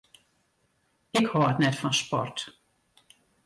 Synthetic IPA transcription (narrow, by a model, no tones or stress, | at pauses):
ɪkhɔətnɛtfɔnspɔ̰rt